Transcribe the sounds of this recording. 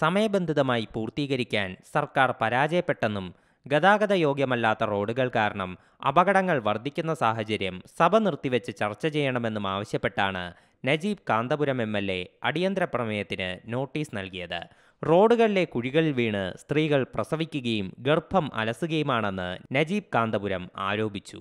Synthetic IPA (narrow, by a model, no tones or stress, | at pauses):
sɐmɐjɐbe̞nd̪ʱiðɐmaːjipuːrt̪iːɣɐɾikʲːaːnsɐrkaːrpɐɾaːd͡ʑɐjɐpːe̞ʈːe̞nːum | ɡɐðaːɡɐðɐjo̞ːɡjɐmɐlːaːt̪ːɐro̞ːɽuɣɐɭkaːɾɐɳɐm | ɐ̰bɐɣɐɽɐŋːɐɭʋɐrd̪ʱikʲːun̪ːɐsaːhɐt͡ɕɐɾjɐmsɐbʱɐnirt̪ːiʋet͡ɕːɨt͡ɕɐrt͡ɕːɐt͡ɕe̞jːɐɳɐme̞nːumaːʋɐɕjɐpːe̞ʈːaːɳɨ̰ | nɐd͡ʑiːb̚kaːnd̪ɐbuɾɐme̞mːelːe̞̰ɐɽijɐnd̪ɾɐpːrɐmɐjɐt̪ːinɨno̞ːʈːiːsnɐlkijɐðɨ̰ | ro̞ːɖuɣɐɭile̞kuɻiɣɐɭilʋiːɳɨst̪riːɣɐɭprɐsɐʋikʲːuɣɐjumɡerpʰːɐmʔɐ̰lɐsuɣɐjumaːɳe̞nːɨ̰nɐd͡ʑiːb̚kaːnd̪ɐbuɾɐma̰ːɾo̞ːbʱit͡ɕːṵ